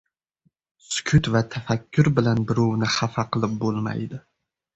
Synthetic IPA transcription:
skʲʰʊt̪vat̪ʰafakʲʰːʊɾbɪlanbɪɾownɪχafaqʰɨlˠɪp̚bolˠma̰jd̪ɪ

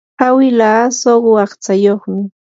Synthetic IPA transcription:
awɪlaːsoɢɑχt͡sajoχmɪ

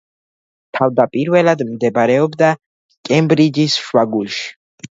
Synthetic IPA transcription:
t̪ʰavd̪apʼiɾvɛlad̪md̪ɛbɾɛɔbd̪a | kʼɛmbɾid͡ʒisʃwaɡulʃi̥

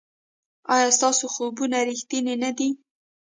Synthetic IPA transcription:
ɑjɑst̪ɑsoxobunaɾixt̪inenad̪i

